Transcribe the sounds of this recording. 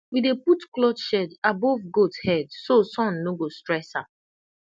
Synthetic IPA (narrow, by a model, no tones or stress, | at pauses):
wideputklɔdʃɛdabovɡothɛdsosɔ̃nːoɡostɹɛsha